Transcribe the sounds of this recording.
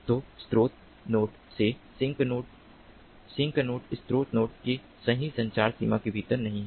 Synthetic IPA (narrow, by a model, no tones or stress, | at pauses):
t̪oːst̪ɾoːt̪̚ | noːʈ | sesɪŋkoːʈ | sɪ̃ŋknoːʈɪst̪ɾoːt̪noːʈke | sɐɦĩsɐ̃ɲt͡ʃaːɾsḭːmakebʱiːt̪əɾnɐɦĩɦɛ